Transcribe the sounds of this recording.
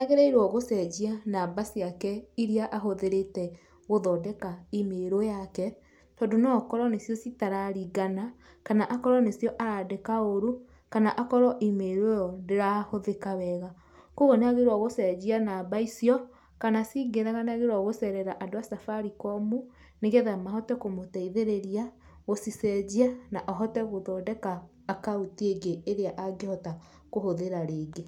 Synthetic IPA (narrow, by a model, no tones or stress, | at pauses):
aɣeɾaiɾwɔɣosɛd͡ʒianaːbasiakɛiɾiaʔaɦoðeɾetɛ | ɣoðɔdɛkaimeɾojakɛ | tɔːndonɔkɔɾɔnesjɔsitaɾaɾiɡana | kanaʔakɔɾɔnesjɔʔaɾadekaoɾu | kanaʔakɔɾɔʔimeɾojɔndeɾahoðekaβɛɣa | koɣoneaɣeɾwaɣosɛd͡ʑianabaisiɔ | kanasiɡeðaɣaneaɣeɾwɔɣosɛɾɛɾaʔadoasafaɾikɔmu | neɣeðamaɦɔtɛkomotɛiðeɾeɾia | ɣosisɛd͡ʒianaʔɔɦɔtɛɣoðɔdɛkaː | kautieɡeːɾeaʔaɡehɔta | kohoðeɾaɾeːɡe